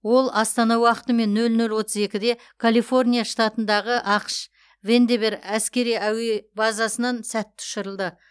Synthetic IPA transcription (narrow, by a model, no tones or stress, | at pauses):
wo̞lˠɑst̪ɑnɑwɑqət̪əme̞nːɵlnɵlwo̞t̪əze̞kʲɪd̪e̞ | kʰalˠijfo̞rnʲijaʃt̪ɑt̪ənd̪ɑʁəʔɑqəʃ | ve̞nd̪eβeɾæskʲe̞ɾijæwebɑzɑsənɑnsæt̪ʰːʊ̥ʃɪɾəlˠd̪ə